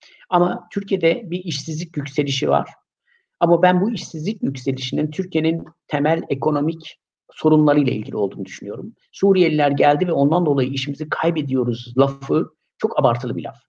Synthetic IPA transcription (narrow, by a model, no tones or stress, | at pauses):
amat̪ʰyɾcʰije̞d̪ɛbiiʃsizlʲicjycse̞lʲiʃiva̰ɾ̥ | amabænbuiʃsizlʲicjycse̞lʲiʃinint̪ʰyɾcʰie̞nint̪ʰemælʲekʰo̞no̞mic | so̞ɾunlˠaɾɯjlˠa̰ilʲɟilʲiold̪uːnud̪yʃynyjo̞ɾum | suːɾijelʲilʲæɾɟælʲd̪ivɛo̞nd̪and̪o̞lˠajɯiʃimizikʰajbe̞d̪ijo̞ɾuzlˠafɯ | t͡ʃʰo̞kabaɾt̪ʰɯlˠɯbilʲa̰f